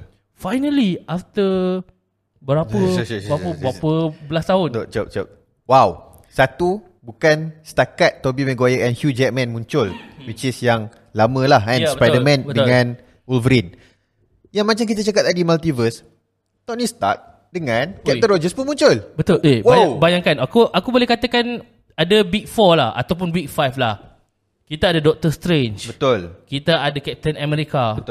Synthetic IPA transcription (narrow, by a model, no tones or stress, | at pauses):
fajnəliʔaft̪ə | bəɾapəaəbɾapəbəlast̪aʊnt̪ot͡ʃop̚t͡ʃop̚ | waw | sat̪u | bukanst̪akat̪ːobimɛ̃ɡajəʔɛnhjud͡ʒɛk̚mɛ̃nmũɲt͡ʃʊlwit͡ʃisjaŋ | lamə̃lahãnspajdəmɛ̃nədəŋãn | ulvəɾin | jaŋmat͡ʃamkit̪at͡ʃakat̪adimalt̪ivəs | t̪ɔnist̪a̰k̚ | dəŋãnkɛpt̪ənɾɔd͡ʒəspunmũɲt͡ʃʊlbət̪ʊlʔewajabajaŋkanakuʔakubolɛhkat̪akan | adawik̚fɔlaha̰t̪awp̬unwik̚fajflah | kit̪aːdadɔk̚t̪əst̪ɾent͡ʃbət̪ʊlkit̪aʔadakɛp̚t̪ənamɛɾikabə